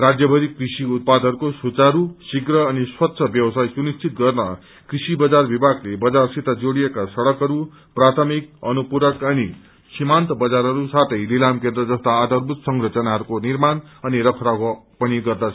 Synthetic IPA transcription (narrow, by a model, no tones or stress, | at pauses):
rad͡zjʌbʱʌɾikrisiut̪̚pad̪ʱɦʌɾukosut͡saɾusiɡrʌːniswʌt̪ːsʰʌbjʌwʌsajsunist͡sʰit̪̚ɡʌrnʌ | krisibʌd͡zarbibʱaɡlebʌd͡zarsit̪ad͡zoɽijekasʌɽʌkɦʌɾu | prat̪ʰʌmik̚ʌnupuɾʌkʌni | simant̪ʌbʌd͡zaɾɦʌɾusat̪ʰʌjlilamkẽnd̪ɾʌd͡zʌst̪aːd̪ʌrbʱut̪sʌŋɡɾʌt͡sʌnaɦʌɾukonirmanʌniɾʌkʰɾa | pʌniɡʌrd̪at͡sʰ